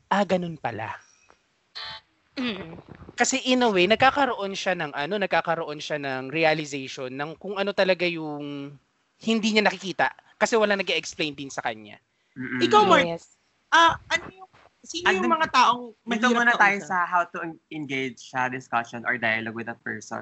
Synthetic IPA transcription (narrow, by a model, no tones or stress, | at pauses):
ʔɐɡɐno̞npɐla̰ | kɐsɛʔɪnɐwejnɐɡ̚kaːkɐɾoʔo̞nʃanɐŋʔɐno̞nɐɡ̚kaːkɐɾoʔo̞nʃanɐŋɾiɐlɪzejʃonːɐŋkʊŋʔɐno̞t̪ɐlɐɡajʊŋ | hɪnd̪iːɲanɐkɪkiːt̪ɐ̰ʔkɐsɛwɐlaŋnɐɡeʔɛksplejnd̪ɪnsɐkɐɲa̰ | m̩ːɪkawaɹs | ʔɐʔɐnojʊŋ | siːnɐjŋmɐŋat̪aːʔoŋmɐɡ̪omunɐt̪aːjosɐɦawt̪uɛnɡejd͡ʒsɐd̪ɪskaʃɔnʔɔɹd̪ajɐloɡ̚wɪd̪ɐpɛ̰ɹsɔ̰